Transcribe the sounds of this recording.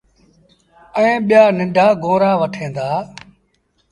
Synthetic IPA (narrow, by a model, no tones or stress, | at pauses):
ẽːɓɪjaːnɪ̃ɳɖʱaːɡõːɾaːʋəʈʰẽːnd̪aː